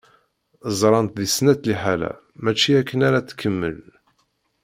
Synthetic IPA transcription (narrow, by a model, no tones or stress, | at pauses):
zˤɾˤɑnt̪ðisnæt̪liħalæ̰ | mæt͡ʃːiækːənaɾat̪kʰːəmːə̰l